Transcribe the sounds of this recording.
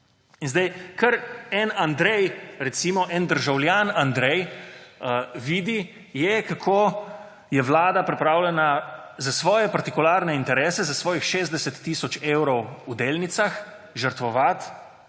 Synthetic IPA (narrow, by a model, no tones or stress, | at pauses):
inzd̪ɛjkəɾɛnand̪ɾɛjɾɛt̪simɔʔɛnd̪əɾʒawljanand̪ɾɛjəʋiːd̪i | jɛkakʰoː | jɛʋlaːd̪apɾɛpɾaːwlʲɛna | zasʋɔːjɛpaɾt̪ikulaːɾnɛint̪ɛɾɛːsɛzasʋɔːjixʃeːzd̪ɛsɛt̪ːisɔt͡ʃeːwɾɔwud̪eːlnit̪sax | ʒəɾt̪ʋɔʋat̪